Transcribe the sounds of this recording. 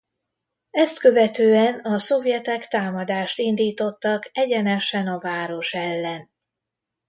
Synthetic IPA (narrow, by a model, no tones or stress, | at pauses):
ɛst̪kø̞vɛt̪øːɛnɒso̞vjɛt̪ɛkt̪aːmɒd̪aːʃt̪ind̪iːt̪o̞t̪ːɒkɛɟɛnɛʃɛnɒvaːɾo̞ʃɛlːɛn